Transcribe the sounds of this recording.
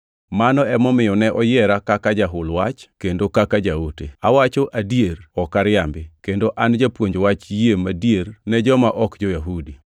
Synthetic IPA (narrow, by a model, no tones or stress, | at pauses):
manɔɛmɔmɪjɔnɛʔɔjɛɾakakad͡ʒaɦʊlwat͡ʃkendokakad͡ʒaotḛawat͡ʃoʔadieɾɔkaɾɪambɪkendoʔand͡ʒapwoɲd͡ʒwat͡ʃjemadijernɛd͡ʒɔmaʔɔkd͡ʒɔjaɦudi